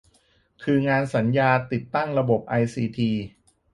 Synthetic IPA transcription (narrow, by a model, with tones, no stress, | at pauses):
kʰɯː˧ŋaː˧nsa˩˦njaː˧t̪i˨˩t̪ːa˥˩ŋɾa˧bo˨˩p̚ʔa˧jsiː˧t̪ʰiː˧